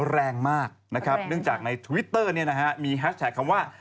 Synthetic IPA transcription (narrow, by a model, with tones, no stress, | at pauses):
ɾɛː˧ŋmaː˥˩k̚na˦˥kʰɾa˦˥p̚nɯ˥˩əŋt͡ɕaː˨˩k̚na˧jt̪ʰu˧wi˦˥t̪ːɤː˥˩ni˥˩ɐna˦˥kɛ˦˥miː˧ɦɛ˦˥s̚t̪ʰɛ˨˩kʰːa˧mwaː˥˩